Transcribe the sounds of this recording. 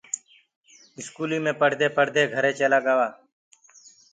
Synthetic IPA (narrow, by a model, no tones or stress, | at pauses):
ɪskuːliːmẽːpəɽ̤d̪eːpəɽ̤d̪eːɡʱəɾeːt͡ʃeːlaːɡaːʋaː